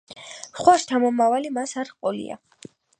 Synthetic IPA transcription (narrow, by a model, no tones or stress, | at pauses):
χwaʃt̪ʰamɔmavalimasaɾχqʼɔlḭa̰